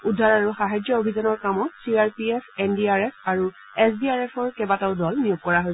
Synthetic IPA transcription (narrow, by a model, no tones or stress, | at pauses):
udʱaɹaɹuxaɦajd͡ʒɔobʱizɔnɔɹkamɔsiaɹpiɛpʰɛndiaɹɛpʰaɹu | ɛsbiaɹɛpʰɔɹkɛbataʊdɔlnijuɡ̚kɔɹaɦoj